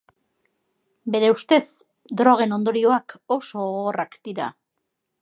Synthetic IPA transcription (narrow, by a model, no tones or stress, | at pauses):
be̞ɾe̞ust̪e̞s | d̪ɾo̞ɣ̞e̞no̞nd̪o̞ɾio̞ako̞so̞ɣorakd̪̥iɾa̰